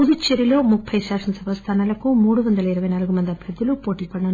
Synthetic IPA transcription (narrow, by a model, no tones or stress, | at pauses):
ʊðɯt͡ʃːɛɾɪloːmʊk̚pʰɐɪsaːʂɐnsɐbɐst̪ʰaːnɐlɐkːõːmuːɽɯʋɐnd̪ɐlɐɪɾɐʋɐnɐlɣɯmɐnd̪ɐpɐd̪ːɪlupoːʈːikːɐɳːɐ